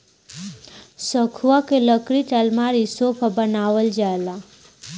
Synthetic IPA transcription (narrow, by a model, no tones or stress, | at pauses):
səkʰuwakeləkɾiʈəlmaɾisoːpʰabənaːʋəld͡ʒaːela